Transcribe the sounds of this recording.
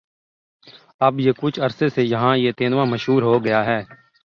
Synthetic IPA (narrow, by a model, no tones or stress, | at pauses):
ɐbjekʊt͡ʃʰɐɾsesejɐɦãjet̪eːnʋamɐʃɦuːɾɦoɡɐjaɦɛː